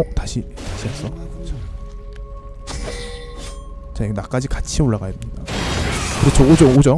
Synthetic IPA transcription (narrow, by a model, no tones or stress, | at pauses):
otaɕʰitaɕʰias͈ʌt͡ɕʰo | t͡ɕainak͈ad͡ʑikat͡ɕʰioɭːaɡajademɲida | kɯɾɯt͡ɕʰood͡ʑʌŋod͡ʑʌ